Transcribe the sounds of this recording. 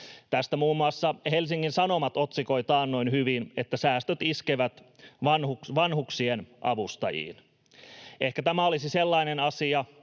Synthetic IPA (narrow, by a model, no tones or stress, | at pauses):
t̪æst̪æmuːmːuɑsːɑhelsiŋːinsɑnomɑt̪ot̪siko̞it̪ɑːnno̞inhyʋinet̪ːæsæːst̪øt̪iskeʋæt̪ | ʋɑnhukʋɑnhuksienʔɑ̰ʋust̪ɑ̰jḭːn | ʔehkæt̪æmæolisiselːɑinenɑsiɑ